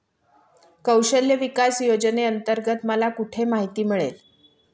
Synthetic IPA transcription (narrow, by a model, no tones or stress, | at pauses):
kəwɕəljəʋikasjod͡ʑneənt̪əɾɡət̪məlakuʈʰemaɦit̪iːmiɭḛl